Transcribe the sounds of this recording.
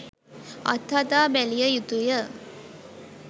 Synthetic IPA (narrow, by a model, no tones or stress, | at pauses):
ɐ̰t̪hat̪aːbælijəjut̪ujə